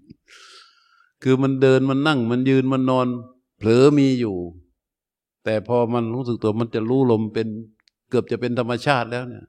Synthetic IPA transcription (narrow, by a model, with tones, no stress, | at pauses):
kʰɯː˧ma˧˥ndɤː˧nma˧˥˨nːa˥˩ŋma˧˥˨njɯː˧nma˧˥˨nːɔː˧n | pʰlɤː˨˦miː˧juː˨˩ | t̪ɛː˨˩pʰɔː˧ma˧nɾuː˦˥˩s̬k̚t̪u˩ɐ˦ma˧nt͡ɕa˨˩ɾuː˦˥˨lo˧mpe˧n | kɤ˨˩p̚t͡ɕa˨˩pe˧nt̪ʰa˧mːa˧t͡ɕʰaː˥˩t̪̚lɛː˦˥˩wni˧˥˩ɐ